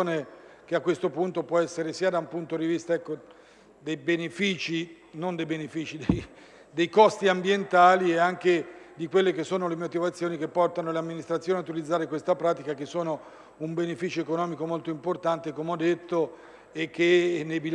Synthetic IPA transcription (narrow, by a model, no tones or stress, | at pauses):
oːne | k̟eakːwest̪opunt̪opwɔɛsːeɾesiːad̪aumpunt̪od̪ivist̪aɛkːo | d̪ejbenefiːt͡ʃi | nond̪ejbenefiːt͡ʃid̪ej | d̪ejkɔst̪iambjent̪aːlieaŋked̪ikwelːek̟esːoːnolemot̪ivat̪sːjoːnik̟epːɔrt̪anoleamːinist̪ɾat̪sjoːnjaut̪ilid̪zːaːɾekwest̪apɾaːt̪ikak̟esːoːno | umbenefiːt͡ʃoekonɔːmikomolt̪oimport̪ant̪ekomeɔd̪ːet̪ːo | ek̟ːenːejbi